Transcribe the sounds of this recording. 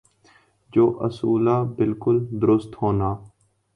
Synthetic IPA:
d͡ʒoːʔəsuːlaːbɪlkʊld̪ʊɾʊst̪hoːnaː

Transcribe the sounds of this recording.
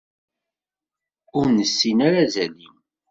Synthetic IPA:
ʊɾnəsːinaɾazælin

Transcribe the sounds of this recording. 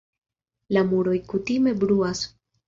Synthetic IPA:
lamuɾo̞jkutime̞bɾuas

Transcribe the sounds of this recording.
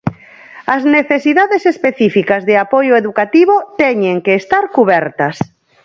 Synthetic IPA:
ɐzneθesiðaðesespeθifikazðeapojoeðukat̪iβ̞ot̪ɛɲeŋkeːst̪aɾkuβɛɾt̪ɐs

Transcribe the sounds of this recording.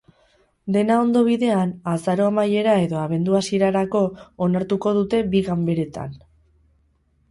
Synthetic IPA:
d̪e̞nao̞nd̪o̞β̞iðe̞anasaɾo̞amaje̞ɾae̞ðo̞aβ̞e̞nd̪uasiɾaɾako̞ːnaɾt̪uko̞ð̞ut̪e̞biɣambe̞ɾe̞t̪a̰n

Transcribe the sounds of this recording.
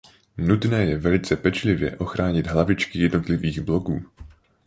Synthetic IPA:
nut̪nɛːjɛvɛlɪt͡sɛpɛt͡ʃlɪvjɛ̰ʔo̞xɾaːɲɪd̪ɦlavɪt͡ʃkɪjɛdno̞t̪lɪviːɣblo̞ɡuː

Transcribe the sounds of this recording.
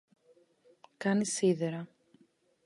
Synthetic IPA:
kɐnisiðeɾɐ

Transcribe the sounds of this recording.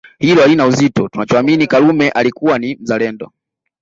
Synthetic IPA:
hilɔalinauzitɔtunat͡ʃɔaminikalumɛʔalikuwanim̩zalɛndɔ̰

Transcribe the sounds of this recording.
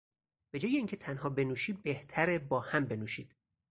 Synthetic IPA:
b̥e̞d͡ʒɒːjeiːŋcʰet̪ʰænhɒːbe̞nuːʃiːd̪̚be̞ht̪ʰæɾebɒːhæmbe̞nuːʃiːd̪̥

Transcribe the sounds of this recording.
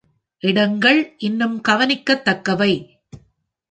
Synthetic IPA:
ʔɪɽɐŋɡɐɭʔɪnːɯmkɐʋɐnɪkːɐt̪ːɐkːɐʋɐɪ

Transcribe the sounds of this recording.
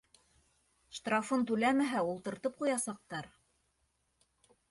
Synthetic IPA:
ʃt̪rafɤnt̪ʉlæmæɦæulˠt̪ɤ̆ɾt̪ɤp̚qujɑsɑq̚t̪ɑɾ

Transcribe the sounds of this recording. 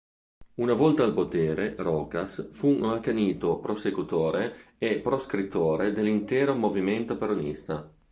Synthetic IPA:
unavɔlt̪aːlpot̪eːɾerɔːkasfuakaniːt̪opɾosekut̪oːɾeepːɾoskɾit̪ːoːɾed̪elːint̪ɛːɾomoviment̪opeɾonist̪a

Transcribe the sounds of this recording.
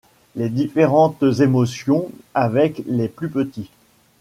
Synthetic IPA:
led̪ifeʁɑ̃t̪zemɔsjɔ̃avɛkleplypət̪i

